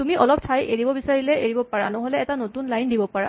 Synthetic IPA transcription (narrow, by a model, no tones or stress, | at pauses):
tumiʔɔlɔptʰajeɹibɔbisaɹilɛʔeɹibɔpaɹanɔɦolɛɛtanotunlajndibɔpaɹa̰